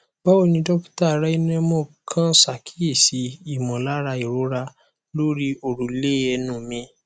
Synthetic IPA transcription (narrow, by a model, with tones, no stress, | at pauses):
ba˦o˦˨nĩ˧dɔ˦kta˦˨ɾa˦i˦ñ˦ɛ̃˧˦mo˦˨kʰã˦sa˨kʰi̥˦e˦˨si˨˦i˦˨mɔ̃˨la˦ɾa˧i˨ɾo˨˦ɾa˧ | lo˦ɾi˦o˨ɾu˨le˦ɛ˧nũ˦˨mĩ˧˦